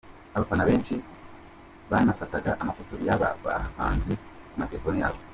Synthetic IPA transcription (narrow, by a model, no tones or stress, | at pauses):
aβafanaβe̞ːnʃi | βanafataɡaʔamafotojaβa̰βa̰haha̰ːnzi | kumateefonija̰βo